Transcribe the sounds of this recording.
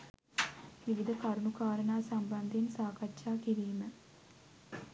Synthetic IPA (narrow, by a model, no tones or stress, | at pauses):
ʋiʋid̪əkaɾunukaːɾənaːsamband̪ensaːkatːʃaːkiɾiːmə